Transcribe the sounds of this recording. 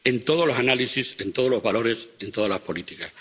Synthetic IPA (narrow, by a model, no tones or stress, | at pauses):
ẽ̞nt̪o̞ð̞olosanalisise̞nt̪o̞ð̞olo̞zβalo̞ɾe̞se̞nt̪o̞ð̞alaspo̞lit̪ikas